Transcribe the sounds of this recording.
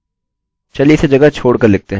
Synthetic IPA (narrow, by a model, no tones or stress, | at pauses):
t͡ʃɐlised͡ʒɐɡət͡ʃʰoːɽkɐɾlɪɡ̚t̪eɦɛ